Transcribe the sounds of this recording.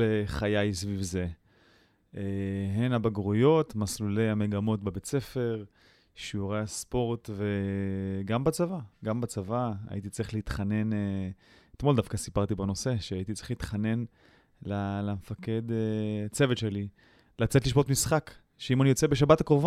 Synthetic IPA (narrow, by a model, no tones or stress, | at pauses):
eχajajsvivze̞ | eɦenabaɡʁujo̞tmaslule̞jame̞ɡamo̞tbebet͡se̞fe̞ʁ | ʃiuʁejaspo̞ʁtveɡambat͡savaɡambat͡savaa̰ʔit̪̬it͡siχleit̪χane̞neet̪mo̞ld̪afkasipaʁt̪ibano̞se̞ʃeait̬it͡si̥χliit̪χane̞n | lalamfake̞det͡se̞vetʃeli | lat͡setliʃbotmisχak | ʃeimanijo̞t͡sebe̞ʃ̬abatakʁovo